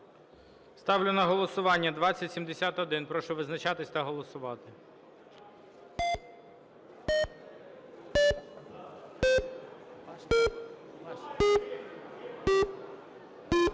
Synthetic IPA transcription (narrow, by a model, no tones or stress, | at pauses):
st̪ɑwlʲʊnɐɦɔlˠɔsʊʋɑnʲːɐd̪ʋɑt͡sʲːɐtʲsʲimd̪esʲat̪ɔd̪ɪnpɾɔʃʊʋɪznɐt͡ʃɑt̪ɪsʲt̪ɐɦɔlˠɔsʊʋɑt̪ɪ